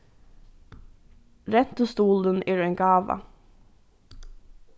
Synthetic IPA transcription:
ɾɛt̪ʉst̪uːld̪ənʔeːɾeːŋɡɑːʋɑ̰

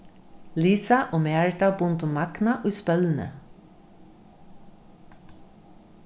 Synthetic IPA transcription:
liːsaʔoːmeːɹʈabʊnt̪ʊmːaknaʔʊjspœlnə̰

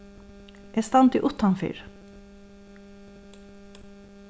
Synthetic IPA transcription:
ʔɛst̪ɑnt̪ɪʔʊt̪hanfḭːɹ

